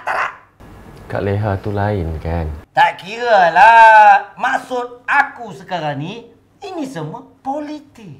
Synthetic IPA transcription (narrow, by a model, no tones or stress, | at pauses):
at̪aɾa̰ʔ | ka̰ʔleɦat̪ulainkant̪aʔkiɾəla | maʔsʊt̪̚akusəkaɾani | inisəmə | polit̪iʔ̚